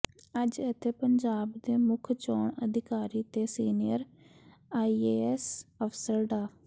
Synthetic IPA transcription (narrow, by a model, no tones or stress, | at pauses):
əd͡ʒət̪ʰeːpəɲd͡ʒaːbd̪eːmʊkʰt͡ʃɔːɳəd̪ʱɪkaːɾiːt̪eːsiːnɪjəɾ | aːiːeːɛsəfsəɾɖaː